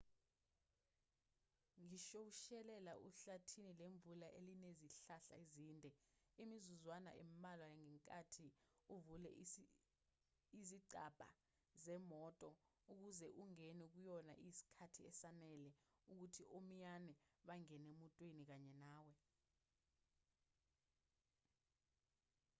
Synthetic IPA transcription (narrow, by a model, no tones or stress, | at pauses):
ŋiʃowuʃɛlɛlaʔuɬatʰinileɱvulaʔelineziɬaɬa̰iziːndʱɛimizuzwana̰ʔem̩malwajŋɛŋkʼatʰiuvulɛ̰ | iziǀab̥ʱa̰ | zɛmɔtʼɔ | uk̬uzɛʔuŋɛnɛk̬ujɔna̰ʔisi̥kʰatʰiɛsanɛlɛuk̬utʰiʔom̩janɛɓaŋɛnemuntʼwenik̬aɲɛnaːwɛ